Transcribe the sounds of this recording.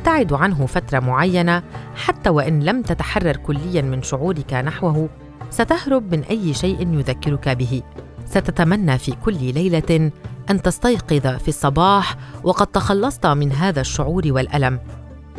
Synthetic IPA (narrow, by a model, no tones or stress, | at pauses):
t̪aʕɪd̪ʕanɦʊfat̪ɾˤɑmʊʕajːanaħat̪ːaːwaʔɪnlamt̪at̪aħɑrˤːɑɾˤkʊlːɪjːanmɪnʃʊʕuːɾɪkanaħwaɦʊ | sat̪ahɾʊb̚mɪnʔajːʃajʔɪnjʊðakːɪɾʊkabɪɦɪsat̪at̪amanːafiːkʊlːlajlaʔant̪ɑst̪ɑjqɨðafisˤːɑbɑːħwʔɑqɑd̪̚t̪ɑxɑlːɑsˤt̪mɪnɦaːðaʃːʊʕuːɾwalʔalam